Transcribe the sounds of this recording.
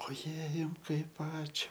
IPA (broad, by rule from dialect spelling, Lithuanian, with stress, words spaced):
oːˈjɛɪ ˈjʊm ˈkɐɪp ˈɑːt͡ʃʲʊ